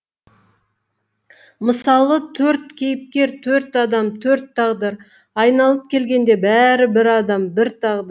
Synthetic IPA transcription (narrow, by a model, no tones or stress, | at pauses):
məsɑlˠət̪ʰɵɾt̪̚kʲʰejɪp̚kʲe̞ɾt̪ʰɵɾt̪ɑd̪ɑmt̪ʰɵɾt̪ʰːɑʁd̪əɾ | ɑjnɑlˠəp̚kʲʰe̞lɡʲe̞nd̪e̞bæɾɪbɪɾɑd̪ɑmbɪɾt̪ʰɑʁd̪